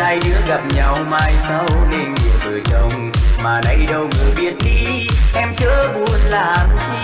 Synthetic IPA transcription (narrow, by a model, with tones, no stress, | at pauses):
ʔa˧jɗɨ˨˦˥əɣa˨˩p̚ɲa˧wmaː˧jsa˧wle˧nŋi˨˩əvɨ˨˩t͡ɕə˧wŋ͡m | maː˨˩nə˧jɗə˧wŋɨ˨˩əjɓi˧˩ət̚ɗi˧ | ʔɛ˧mt͡ɕəː˧˦ɓu˧˩ənlaː˨˩n